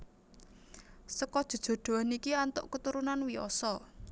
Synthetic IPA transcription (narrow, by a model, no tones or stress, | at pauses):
səkɔd̥ʒ̥ṳd̥ʒ̥o̤ɖ̪̥o̤anikiant̪ʊ̰ʔkət̪uɾunanwiɔ̰sɔ